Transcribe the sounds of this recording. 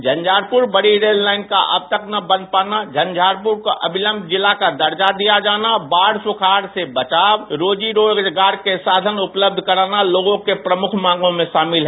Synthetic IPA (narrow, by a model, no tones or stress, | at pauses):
d͡ʒʱənd͡ʒʱaɾpuɾbəɽiɾelːaɪnka̰ʔə̰b̚t̪əknəbə̃nd̪̚paːnad͡ʒʱənd͡ʒʱaɾpuɾkoʔəbʱiləmbʱd͡ʒɪlːakad̪əɾd͡ʒad̪ijad͡ʒaːnabaɽsukʰaɾsebət͡ʃaːbɾoːd͡ʒiɾoɡd͡ʒɡaːɾkesaːd̪ʱənupləb̚d̪ʱkəɾanaloɡõkepɾəmukʰmãŋɡõmẽʃaːmɪlɦɛ